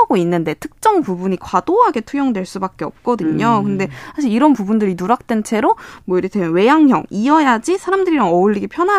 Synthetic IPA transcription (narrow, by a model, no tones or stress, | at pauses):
ɡoinːɯnde̞tʰɯ̥k̚t͡ɕ͈ʌŋpubuɲikwad̥oɦaɡe̞tʰujʌŋdwe̞ɭs͈ubak͈eʌp̚k͈ʌdɯɲokɯnde̞sʰaɕ̬ʰiɭiɾʌnpubundɯɾinuɾak̚t͈we̞nt͡ɕʰe̞ɾomwʌiketʰemjʌnwe̞jaŋçjʌ̰ŋiʌjad͡ʑisʰaɾamdɯɾiɾaŋʌuɭːiɡipʰjʌna